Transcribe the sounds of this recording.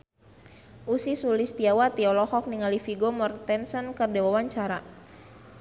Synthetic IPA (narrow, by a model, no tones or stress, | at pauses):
ʔusisulist̪iawat̪iɔlɔhɔk̚niŋalifiɡomɔrt̪ɛnsənkərdɛwawaɲt͡ʃaɾa